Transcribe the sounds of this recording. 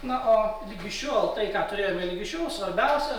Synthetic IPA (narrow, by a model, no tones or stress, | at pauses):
nʊʔoːlʲiɡʲɪʃʲuːɐlˠt̪ɐɪkɑːt̪ʊɾʲeːjoːmʲelʲɪɡʲɪʃʲuːsʋɐɾʲbʲɛʊsʲɛ